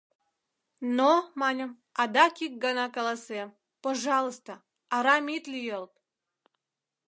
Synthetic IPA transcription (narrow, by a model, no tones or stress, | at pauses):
nomanʲəm | ad̪akʲik̚ɡanakəlˠasɛm | pɐʐɑlˠəst̪ə | aɾamʲit̪lʲijelˠt̪